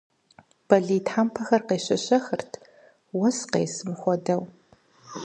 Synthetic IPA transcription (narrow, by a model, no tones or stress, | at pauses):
b̥ɐɮiːtħaːmpʰɐxɐrqeːɕɐɕɐxɨrtʰ | wɔsqḛːsɨmxʷɔdɐw